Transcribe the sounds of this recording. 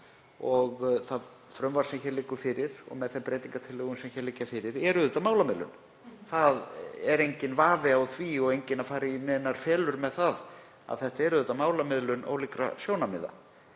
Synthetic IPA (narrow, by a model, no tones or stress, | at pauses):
ɔɣθað | fɾœmvaɾ̥sɛmçɛɾlɪːkʏfɪɾɪɾ̥ɔ̰ɣmɛðθɛmpɾeːjt̪iŋkat̪ʰɪlːœːɣʏnsɛmçɛɾlɪːcːafɪɾɪɾɛɾʏðʏt̪amaːwlamɪðlʏ̰n | θaðɛɾejɲcɪnvaːvɪawθviɔɣejɲcɪnafaːɾɪinɛːnaɾ̥fɛːlʏɾmɛðθað | a̰ðθɛht̪aɛɾʏðʏt̪ːamaːwlamɪðlʏnʔo̰wliːkɾa̰sjoːwnamɪ̰ða̰